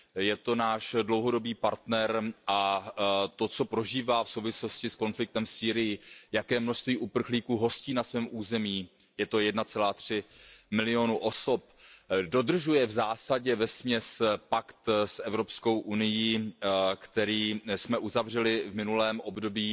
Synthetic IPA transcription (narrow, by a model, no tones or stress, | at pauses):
jɛt̪o̞naːʃdlowɦo̞do̞biːpaɾt̪nɛɾʔa | t̪o̞t͡so̞pɾo̞ʒiːvaːfsowvɪslo̞scɪsko̞nflɪk̚t̪ɛmfsiːɾɪjɪjakɛːmnoʃst̪viːʔupr̩xliːkuːɦo̞sciːnasvɛːmʔuːzɛmiː | jɛt̪o̞jɛdnat͡sɛlaːt̪r̝̥ɪmɪlɪo̞nuʔo̞so̞p̚do̞dr̩ʒujɛvzaːsaɟɛvɛsmɲɛspakt̪sʔɛvɾopsko̞wʔunɪjikt̪ɛɾiːsmɛʔuzavr̝ɛlɪvmɪnulɛːmʔobdo̞biː